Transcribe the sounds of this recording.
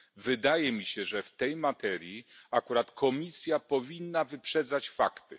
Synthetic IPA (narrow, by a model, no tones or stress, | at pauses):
vɘd̪ajɛmʲiɕɛʐɛft̪ɛjmat̪ɛɾʲjiakuɾat̪kʰɔmʲisʲjapɔvʲinːavɘpʂɛd̪zat͡ɕfa̰kt̪ɘ